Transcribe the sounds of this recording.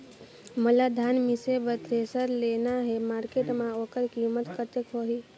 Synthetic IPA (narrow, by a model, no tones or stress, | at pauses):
məlad̪ʱanmisebət̪ɾesəɾlenaɦemaːɾkeʈmãoːkəɾkimət̪kəɾt̪ekɦoɦi